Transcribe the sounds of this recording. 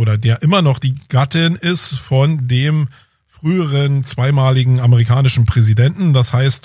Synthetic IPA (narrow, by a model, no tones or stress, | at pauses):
oːɾɐdeːɐʔɪmɐnɔχd̥iːɡ̥atɪnɪstfɔndeːm | fʁ̥yːəʁənt͡sv̥aɪmaːlɪɡŋ̩aməʁ̞ikʰaːnɪʃn̩pʁ̥ɛzidɛntn̩dashaɪst